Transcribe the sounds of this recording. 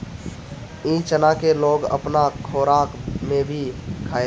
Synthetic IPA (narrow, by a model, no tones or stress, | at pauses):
ĩːt͡ʃənakeloːɡə̰pnakʰoːɾaːkmẽbʱikʰaːe